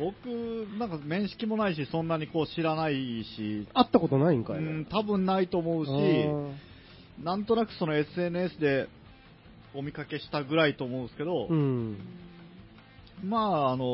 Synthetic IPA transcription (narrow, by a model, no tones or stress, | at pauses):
bo̞kɯ̟nãŋkamẽ̞ɰ̃ɕi̥kʲimo̞naiɕ̬isõ̞nːaɲ̟iko̞ːɕiɾanaiɕiat̪ːako̞t̪onaĩŋka̰ɯ̟̃ɴt̪abɯ̟̃nnait̪o̞ːmo̞ɯ̟ɕi | nãnt̪o̞nakɯ̟so̞noe̞sɨe̞nɯ̟esɨd̪e̞ | o̞mʲikake̞ɕi̥t̪aɡɯ̟ɾait̪o̞ːmo̞ɯ̃nsɨ̥ke̞d̪õ̞ | maːno̞